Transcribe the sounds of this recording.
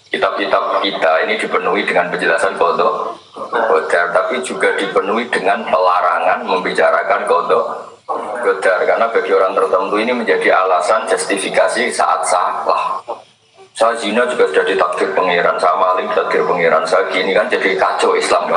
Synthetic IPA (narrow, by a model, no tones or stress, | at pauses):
kit̪ab̚kit̪ab̚kit̪ainid̥ipənuidəŋanpəɲd͡ʒəlasankɔt̪ɔ | ɡod̪̥art̪apid͡ʒuɡad̥ipənuid̥əŋanpəlaɾaŋanməmbit͡ʃaɾa̰kankɔt̪ɔ | ɡ̥od̪̥arkarnabaɡioɾaŋt̪ərt̪ənt̪uiniməɲd͡ʒadialasand͡ʒɛst̪ifikasisa̰ʔa̰t̪̚sala̰h | sazinad͡ʒuɡ̥asud̥ahd̥it̪ak̚ɡ̥ɪrpəŋiɾansaamalɪŋdit̪ak̚ɡ̥ɪrpəŋiɾa̰nsaɡinikand͡ʒadikat͡ʃɔislam